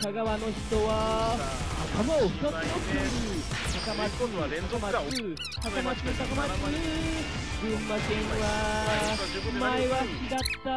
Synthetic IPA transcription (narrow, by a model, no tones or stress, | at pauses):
kaɡaβano̞çi̥t̪o̞βa | akamaoɸɯ̟̥t̪ak̪ot̪ɾɯ | t̪akamaakamaɯ | t̪akamaɨt̪akama | ɡɯ̃mːakẽɰβa | maeβaɕid̪at̪ːa